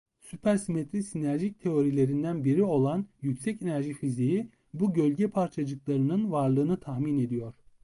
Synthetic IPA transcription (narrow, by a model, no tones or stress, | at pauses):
sypʰæɾsimet̪ʰɾisinæɾʒic̚t̪ʰe̞o̞ɾilʲe̞ɾind̪ænbiɾio̞lˠanjycsɛce̞næɾʒifiziji | buɟø̞lʲɟɛpʰaɾt͡ʃʰad͡ʒɯklˠaɾɯnɯnvaɾlˠɯːnɯt̪ʰaxmine̞d̪ijo̞ɾ̥